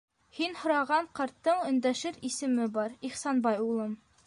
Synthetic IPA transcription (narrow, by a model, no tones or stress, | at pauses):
hinhŏɾɑʁɑɴqɑɾt̪ːɤɴɵ̆nd̪æʃɘɾisɘ̆mɘbɒɾiχsɑnbɑjulˠɤm